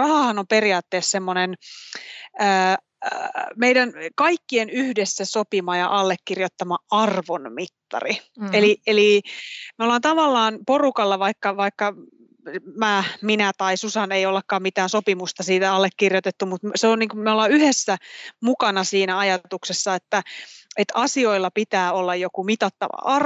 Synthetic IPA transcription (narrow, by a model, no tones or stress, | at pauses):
rɑhɑhɑnomperiɑːt̪ːeːssemːonen | əː | meijdænkɑikːienyhdesːæsopimɑjɑ̰ʔɑlːekːirjot̪ːɑmɑɑrʋonmit̪ːɑ̰rielielimeolɑːnt̪ɑʋɑlːɑːnporukɑlːɑʋɑikːɑʋɑikːɑ | mæminæt̪ɑisusɑneijolːɑkːɑːmmit̪æːnsopimust̪ɑsiːt̪æɑlːekːirjot̪et̪ːumut̪mseonniːŋkumeolɑyhesːæmukɑnɑsiːnæɑjɑt̪uksesːɑet̪ːæet̪ɑsio̞ilːɑpit̪æːolːɑjjokumit̪ɑt̪ːɑ̰ʋɑ̰ʔɑr